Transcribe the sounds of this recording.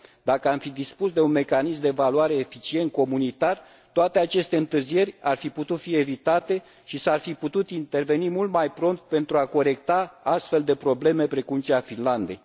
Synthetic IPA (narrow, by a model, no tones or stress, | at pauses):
d̪akəamfid̪ispusd̪e̞unme̞kanis̬md̪e̞valuaɾe̞ːfit͡ʃie̞nt̪̚ko̞munit̪ar | t̪oat̪e̞at͡ʃe̞st̪e̞ɨnt̪ɨrzije̞rʲarfiput̪ut̪fie̞vit̪at̪e̞ | ʃisarfiput̪ut̪int̪e̞rve̞nimult̪majpɾo̞nt̪̚pe̞nt̪ɾuako̞ɾe̞kt̪aast̪fe̞ld̪e̞pɾo̞ble̞me̞pɾe̞kumt͡ʃeafinland̪e̞̰j